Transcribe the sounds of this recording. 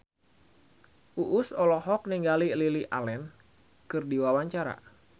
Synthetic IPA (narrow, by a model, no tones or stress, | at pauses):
ʔuʔʊsɔlɔɦɔk̚niŋɡalililiʔa̰lɛn | kɨrdiwawaɲt͡ʃaɾa̰